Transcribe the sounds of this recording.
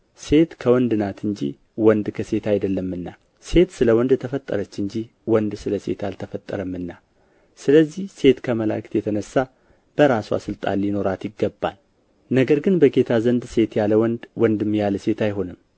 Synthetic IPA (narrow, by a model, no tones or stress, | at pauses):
se̞t̪kʰəwɔnd̪ɨnat̪ʰɨɲd͡ʒḭ | wɔnd̪kʰəse̞t̪ʰajd̪əlːəmːɨnːa | se̞t̪sɨləwɔnd̪t̪ʰəfət̪ʼːə̰ɾət͡ʃːɨɲd͡ʒi | wɔnd̪sɨləse̞̰t̪alt̪ʰəfət̪ʼːə̰ɾəmːɨnːa | sɨləzːihse̞t̪kʰəməla̰kt̪jɛt̪ʰənəsːa | b̥əɾaswa̰sɨlt̪ʼa̰lːino̞ɾat̪jɪɡːəbːa̰l | nəɡəɾɡɨnbəɡe̞t̪ʰazənd̪se̞t̪jaləwɔnd̪wɔnd̪ɨmːjaləse̞t̪ajɦo̞nɨm